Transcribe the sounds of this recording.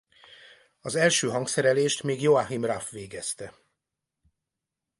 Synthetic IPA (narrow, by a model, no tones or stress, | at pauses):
ɒzɛlʃøːɦɒŋksɛɾɛleːʃt̪meːɡjoaɦimrafʋeːɡɛst̪ɛ